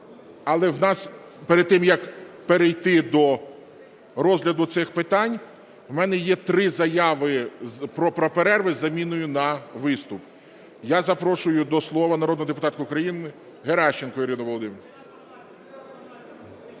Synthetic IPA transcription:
ɐlˠɛwnɑs | peɾed̪̚t̪ɪmjɐkpeɾejt̪ɪd̪ɔ | ɾɔzlʲɐd̪ʊt̪sɪxpɪt̪ɑnʲ | wmɛnɛjɛt̪ɾɪzɐjɑʋɪpɾɔpɾɔpeɾɛrʋɪzɐmʲinʊjʊnɐʋɪst̪ʊp | jazɐpɾɔʃʊjʊd̪ɔslˠɔʋɐnɐɾɔd̪ɦɔd̪ep̬ʊt̪ɑt̪kʊʊkɾɐjinɪ | ɦeɾɑʃt͡ʃːenkɔjiɾʲidnɔʋɔlˠɔd̪ɪmɾ

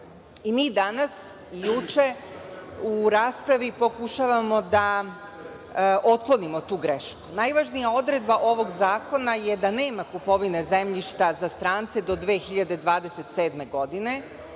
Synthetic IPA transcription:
imiːd̪anas | ijut͡ʃe̞ | uɾaːspɾaʋipo̞kuʃaʋamo̞d̪a | ʔo̞t̪̚klˠonimo̞t̪uːɡɾeʃku̥najʋaːʒnijao̞d̪ɾe̞d̪baʔo̞ʋo̞ɡzaːko̞najed̪ane̞ːmakupo̞ʋine̞zemʎiʃt̪azast̪ɾaːnt̪se̞d̪o̞d̪ʋe̞ːxiʎad̪e̞d̪ʋaːd̪e̞se̞t̪seːd̪me̞ɡo̞d̪ine̞

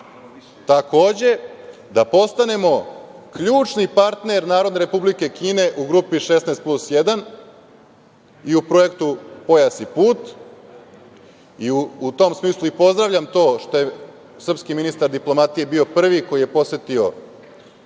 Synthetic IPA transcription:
t̪ako̞ːd͡ʑe̞ | d̪apo̞st̪ane̞mo̞ | kʎuːt͡ʃnipaɾt̪ne̞ɾnaːɾo̞d̪ne̞ɾe̞publike̞kiːne̞ʔuɡɾupiʃesneːst̪̚plˠusjed̪an | iupɾo̞e̞kt̪upo̞jasipuːt̪ | iuːt̪o̞msmiːslˠuipo̞zd̪ɾaʋʎʲamt̪o̞ːʃt̪o̞je | sr̩pskiminist̪aɾd̪iplˠo̞mat̪ije̞bio̞pr̩ʋiko̞jije̞po̞se̞t̪io̞̰

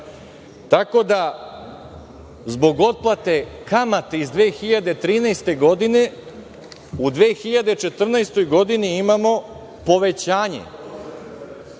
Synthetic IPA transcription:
t̪ako̞d̪a | zbo̞ɡo̞t̪̚plˠat̪e̞kamat̪eizd̪ʋeːxiʎad̪e̞t̪ɾiːnɛjst̪e̞ɡo̞d̪ine | ud̪ʋeːxiʎad̪et͡ʃe̞t̪r̩nɛjst̪o̞jɡo̞d̪iniimamo̞ | po̞ʋe̞t͡ɕaːɲḛ

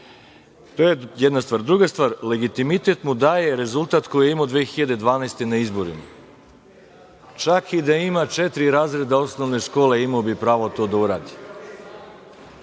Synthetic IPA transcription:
t̪ojejed̪nast̪ʋaːɾd̪ɾuɡast̪ʋaːɾle̞ɡit̪imit̪et̪mud̪aːje̞ɾe̞zult̪at̪ko̞jijeimod̪ʋeːxiʎad̪e̞d̪ʋaːnajst̪e̞naizbo̞ɾḭma | t͡ʃakid̪aimat͡ʃet̪ɾiɾaːzɾe̞d̪ao̞sno̞ʋne̞ʃko̞ːle̞imaobipɾaːʋo̞t̪o̞ːd̪auɾaːd̪i

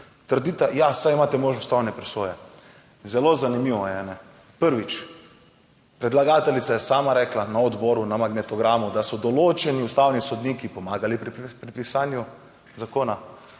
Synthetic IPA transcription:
t̪əɾd̪it̪ajasajimaːt̪ɛmoːʒnɔst̪awnɛpɾɛsoːjɛ | zɛlozanimiːʋɔjɛnɛ | pəɾʋit͡ʃ | pɾɛd̪laɡaːt̪ɛlit̪sajɛsaːmaɾɛklanaɔd̪bɔːɾunamaɡnɛt̪ɔɡɾaːmud̪asɔd̪ɔloːt͡ʃɛniust̪awnisɔd̪niːkipɔmaːɡalipɾipɾipisaːnju | zakoːna

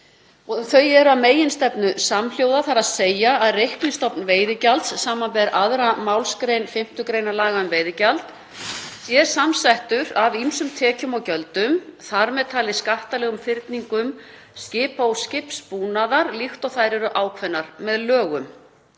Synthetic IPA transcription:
ɔθœɥjɛɾaðmeːjɪnst̪ɛpnʏsaml̥joːwðaθaɾaðseːjaːðrejhknɪnst̪ɔpnveːjðɪcalt̪sːaːmanvɛɾʔaðɾamawlskɾeːjnfɪm̥t̪ʏkɾeːjnalaːɣaʏmveːjðɪcalt̪ | sjɛɾ̥samsaht̪ʏɾavimsʏmt̪ʰɛːcʏmawcœlt̪ʏmθaɾmɛðt̪ʰaːlɪskaht̪alɛɣʏmfɪɾt̪niŋkʏm | scɪːpowscɪpspuːnaðaɾlixt̪ɔθaːjɾɪɾʏʔaːwkʰvɛnːaɾmɛðlœːɣʏm

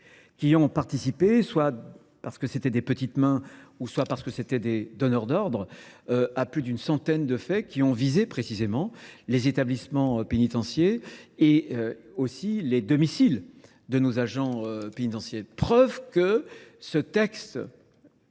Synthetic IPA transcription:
kʲiɔ̃paʁt̪isipeswa | paʁsə̥kəset̪ɛd̪epət̪it̪mɛ̃uswapaʁsə̥kəset̪ɛd̪ed̪ɔnœʁd̪ɔʁd̪ʁ | aplyd̪ynsɑ̃t̪ɛnd̪əfɛkʲiɔ̃vizepχesizemɑ̃lezet̪ablismɑ̃penit̪ɑ̃sjeː | øosiled̪ɔmisil | d̪ənozaʒɑ̃øpenit̪ɑ̃sjepχœvkəsət̪ɛkst̪

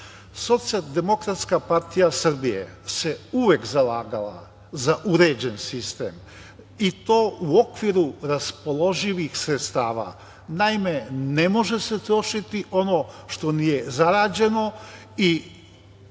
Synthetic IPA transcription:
so̞t̪sijalˠd̪e̞mo̞kɾat̪skapaɾt̪ijasr̩bijḛse̞uʋe̞kzalaːɡala̰ | zaʔuɾe̞ːd͡ʑe̞nsist̪ḛːm | it̪o̞ːʔuo̞kʋiɾuɾaspo̞lˠo̞ʒiʋixsɾet̪st̪aːʋa̰ | naime̞ne̞mo̞ʒese̞t̪ɾo̞ʃit̪iʔo̞no̞ʃt̪o̞nije̞zaɾaːd͡ʑe̞no̞ | i

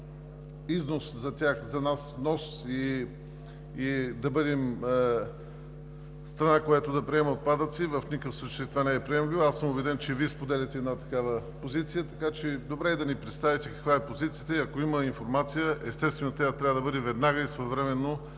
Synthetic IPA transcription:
iznoszɐt̪ʲaxzɐnasvnɔsi | d̪ɐbɤd̪ɛm | st̪ɾɐnakojat̪od̪ɐpɾiɛmɛot̪̚pad̪ət̪sivəfnʲikəfsˠut͡ʃeit̪ovanɛːpɾiɛmlʲivasəmʊbɛd̪ɛnt͡ʃɛviəspod̪ɛlʲɐt̪ɛːd̪nat̪ɐkavəpozit̪sijət̪ɐkat͡ʃɛd̪obɾɛɛd̪ɐnipɾɛt̪st̪avit̪ɛkɐ̥kvaɛpozit̪sijət̪əiɐkoiməinfoɾmat̪sijəʔɛst̪ɛst̪vɛnot̪ɾʲat̪ɾʲavəd̪ɐbɤd̪ɛvɛd̪naɡəisvoɛvɾɛmɛnːo

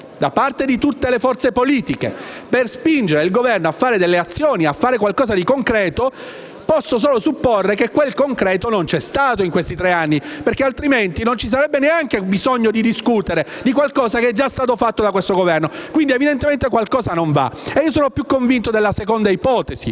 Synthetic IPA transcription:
d̪apart̪ed̪it̪ut̪ːelefɔrt̪sepoliːt̪ikḛperspind͡ʒeɾeilɡovɛrnoafːaːɾed̪elːeat̪sːjoːniafːaːɾekwalkɔːzad̪ikoŋkɾɛːt̪o | pɔsːos̬oːlosupːorːekekːwelkoŋkɾɛːt̪onont͡ʃɛst̪aːt̪oiŋkwest̪it̪ɾeanːiperkealt̪ɾiment̪inont͡ʃis̬aɾɛbːeneaŋkebizoɲːod̪id̪iskut̪eɾe | d̪ikwalkɔːzakeɛd͡ʒːast̪aːt̪ofat̪ːod̪akwest̪oɡovɛrnokwind̪ievid̪ent̪ement̪ekwalkɔːzanoɱva̰eiːos̬oːnopjukːoɱvint̪od̪elːasekond̪aipɔːt̪ezḭ

